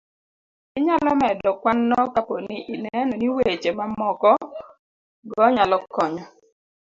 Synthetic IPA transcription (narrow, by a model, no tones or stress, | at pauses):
ɪɲalɔmɛdɔkwanːɔkapɔnɪʔinɛnɔniwet͡ʃemamɔkɔ | ɡɔɲalɔkɔɲɔ